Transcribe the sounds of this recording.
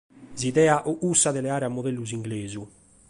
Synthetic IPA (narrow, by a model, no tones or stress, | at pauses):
ziðɛːaʔuusːaðɛlɛaːɾeamːoðɛlːuziŋɡleːzu